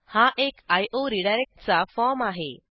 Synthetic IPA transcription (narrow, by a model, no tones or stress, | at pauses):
haʔekajʔoɾiɽaɾek̚ʈ̚t͡safɔɾmaɦḛ